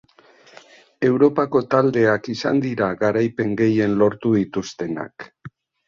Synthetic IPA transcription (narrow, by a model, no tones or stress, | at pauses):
e̞wɾo̞pako̞t̪ald̪e̞akisa̰nd̪iɾaɣaɾajpe̞ŋɡe̞je̞nlo̞ɾt̪uðit̪ust̪e̞na̰k